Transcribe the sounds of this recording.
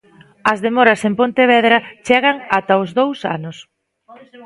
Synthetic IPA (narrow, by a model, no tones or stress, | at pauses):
ɐzðemɔɾɐsempont̪eβ̞ɛðɾɐt͡ʃeɣɐŋat̪ɐʊzðowsa̰nʊs